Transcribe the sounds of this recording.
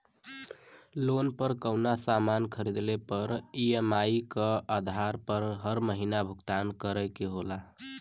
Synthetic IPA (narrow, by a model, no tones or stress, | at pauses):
lonpəɾkəwnasamankʰəɾid̪lepəɾiemaikəad̪ʱaɾpəɾɦəɾməɦinabʱuɡt̪ankəɾəjkeɦola